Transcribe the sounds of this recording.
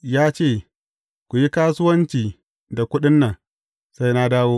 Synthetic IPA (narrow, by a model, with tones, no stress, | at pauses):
jaː˦t͡ʃeː˦˨ | kʷu˨ji˦kaː˦sʊ˦wɐ˦nt͡ʃiː˨ | da˨kʷʊ˦ɗɪ˦nːɐ˨ŋ | sa˦jna˦daː˦woː˦